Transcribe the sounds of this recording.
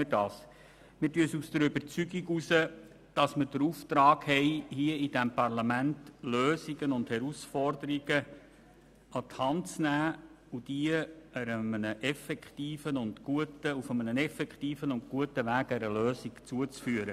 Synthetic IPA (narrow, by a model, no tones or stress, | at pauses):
ədɑːs | mɪɾtyəsusd̥̪əɾʏbəɾt͡syɡiɡusə | d̥ɑsməɾd̥əɾuːft̪ɾɑːɡhɛɪhiəid̥æmpɑrlɑmæntløːsiɡənʊndhɛɾusfɔrdəɾiɡ̥ə | ɑt̪hɑntt͡snæː | ud̥iəəɾəmənəʔɛfɛkχtiːfənʊndɡuətəufəmənənɛfɛkχtiːfənʊnɡ̥uətːəʋæːɡɛɾəløːsikt͡suət͡sfyːəɾə